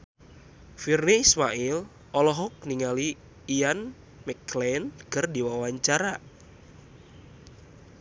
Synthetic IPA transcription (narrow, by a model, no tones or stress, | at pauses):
firneismaʔil | ɔlɔɦɔk̚niŋaliː | jan | mɛklɛnkərdiwawaɲt͡ʃaɾa